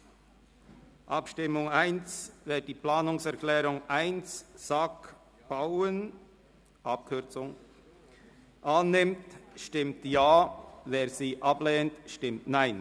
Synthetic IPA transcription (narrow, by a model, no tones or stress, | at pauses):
ʔɑpʃtɪmʊŋaɪnsveːdd̥iːplaːnʊŋsɛɐklɛːʁʊŋʔaɪnssak | b̥aʊən | ʔɑp̚kʰʏɐt͡sʊŋ | ʔaːnːɪmtʃtɪmtjaːveːɐziːʔɑblɛːntʃtɪmtnaɪn